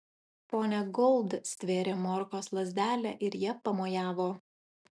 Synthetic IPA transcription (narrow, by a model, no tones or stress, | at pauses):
poːnʲɛɡɔlˠd̪sʲt̪ʲʋʲeːɾʲeːmɔːɾkoːslˠɐzʲd̪ʲæːlʲɛʔɪɾjiɛpɐmoːjæːʋoː